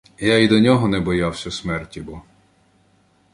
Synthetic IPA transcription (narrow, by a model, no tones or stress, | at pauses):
jaid̪ɔnʲɔɦɔnɛbɔjawsʲɐsmɛrtʲibɔ